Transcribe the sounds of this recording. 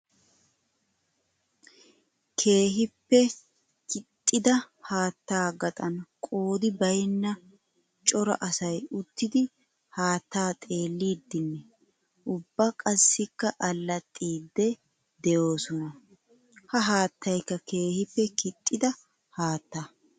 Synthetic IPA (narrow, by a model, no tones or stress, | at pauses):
kʰe̞ːɦɪpːɛ | kɪt̪ʼːɪd̪ɐ | haːt̪ːaːɡɐt̪ʼɐnkʼo̞ːd̪ɪbɐjnːɐ | t͡ʃʼɔɾɐ̰ʔɐsɐjʊt̪ːɪd̪ɪ | haːt̪ːaːt̪ʼe̞ːlːiːd̪ːɪnːɛ | ʔʊbːɐkʼɐsːɪkːɐʔɐlːɐt̪ʼːiːd̪ːɛ | d̪ɛjo̞ːsɔnɐ | hɐɦaːt̪ːɐjkːɐke̞ːhɪpːɛkɪt̪ʼːɪd̪ɐ | haːt̪ːaː